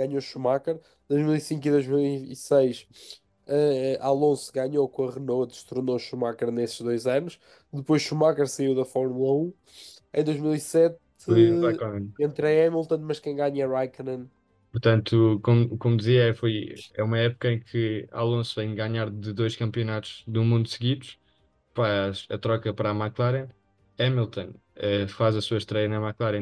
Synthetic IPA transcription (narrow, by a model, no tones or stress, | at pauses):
ɡaɲoʃumakɐɾ | d̪ojʒmilˠisĩŋkiðojʒmilˠiisejʃ | ɛʔalˠõsu̥ɣaɲokõɐʁɨnod̪ɨʃt̪uɾnoʃumakɐɾnesʒðojzɐnuʃ | d̪ɨpojʃʃumakɛɾsɐiwðɐfɔɾmulˠɐũ | ẽd̪ojʒmilˠisɛt̪ | aɐmẽnẽnt̪ɾɐɛmilˠt̪ɐ̃nmɐʃkẽj̃ɡaɲɐʁajknɐ̃n | puɾt̪ɐ̃nt̪ukomukomud̪iziɐɛfojɛumɐɛpu̥kɐẽj̃kʰɨa̰lˠõsuvɐ̃j̃ɡaɲaɾðɨðojʃkɐ̃mpiunat̪u̥ʒ̥ðumũnd̪usɣiðuʃ | fazɐt̪ɾɔkɐpɐɾamaklˠaɾɐ̃ | ɛmilˠt̪õn | ɛfazɐsuɐʃt̪ɾɛjɐnɐmaklˠaɾjɐ̃